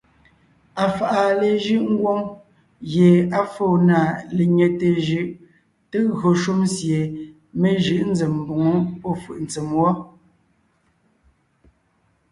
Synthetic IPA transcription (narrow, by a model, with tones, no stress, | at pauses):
a˨fa˨ʔa˨le˨ʒɯ˦ʔŋ̩˦ɡwo˦ŋ | ɣje˨a˦foː˦˨na˨le˨ɲe˨te˨ʒʉ˨ʔ | te˦ɣɰo˨ʃu˦msje˨ | me˦ʒɯ˨ʔn̩˦d͡ze˨mː˨bo˨ŋo˦pɔ˦˨fɯ̰˨ʔn̩˨t͡se˨mwɔ˦